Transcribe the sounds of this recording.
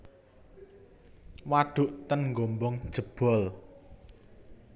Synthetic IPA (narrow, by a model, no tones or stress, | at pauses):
waɖ̥ṳʔt̪ənŋɡombɔŋd̥ʒ̥ə̤b̥ɔ̤l